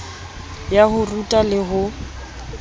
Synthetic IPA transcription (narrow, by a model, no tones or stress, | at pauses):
jahʊrutʼalɪɦʊ